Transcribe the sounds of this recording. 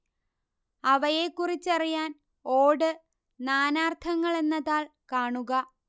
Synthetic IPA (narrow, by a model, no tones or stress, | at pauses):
ɐʋɐje̞kːurit͡ɕːɐrijaːn | o̞ːɽɨ | naːnaːrt̪ʰɐŋːɐɭe̞nːɐðaːɭkaːɳuɣɐ